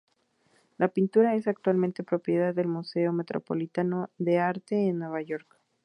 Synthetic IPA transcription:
lʔapint̪uɾae̞sak̚t̪walment̪e̞pɾo̞pje̞ðaðːe̞lmuse̞o̞me̞t̪ɾʔo̰po̞̰lit̪anoðe̞aɾt̪e̞ːnːwe̞β̞aʝo̞ɾk

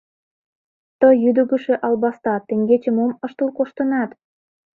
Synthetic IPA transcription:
t̪əjyd̪ə̆ɣə̆ʃĕʔɑlbɑst̪ɑt̪eŋɡet͡ɕə̆moməʃt̪əlkoʃt̪ənɑt̪

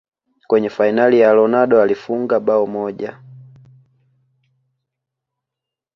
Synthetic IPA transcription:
kwɛɲɛfainalijalɔnadɔalifuŋɡabaɔmɔɟa

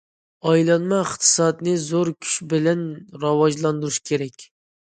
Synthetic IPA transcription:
ɑjlˠɑnmɑɪχt̪ʰɨ̥sɑd̪nɨzoɾkʲʰy̥ʃbɪlɛnɾɑwɑʒlˠɑnd̪uɾuʃkʲʰeɾɛkʲ

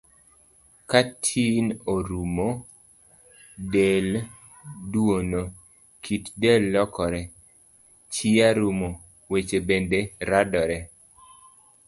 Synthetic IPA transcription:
katʰinoɾumo | del | dwono | kʰitdɛlːɔkɔɾɛ | t͡ʃiaɾumo | wet͡ʃebendeɾadɔɾɛ

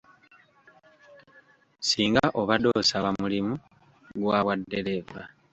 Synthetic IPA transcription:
siːŋɡaʔo̞βadoːsaβamulimu | ɡwaːβwadːe̞leva̰

